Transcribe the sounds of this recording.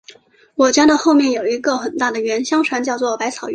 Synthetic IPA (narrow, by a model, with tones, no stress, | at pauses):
wɔ˨˩t͡ɕja˥d̪ə˥˧xo˥˧ʊmjɛ˥˩njo˨˩ʊi˧˥ɡə˥˧xə˨˩nt̪a˥˩d̪ə˩ɥɛ˧˥nɕjɑ˥ŋʈ͡ʂʰwa˧˥nt͡ɕjɑ˥˧ʊt͡swɔ˥˩pa˧˥ɪt͡sʰɑ˨˩ʊɥ